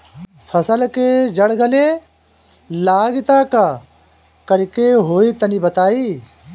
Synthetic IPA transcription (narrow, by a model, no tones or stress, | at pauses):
pʰɐsəlked͡ʒɐɽɡəle | laːɡɪt̪aka | kɐɾkeɦoːit̪ənibɐt̪aːiː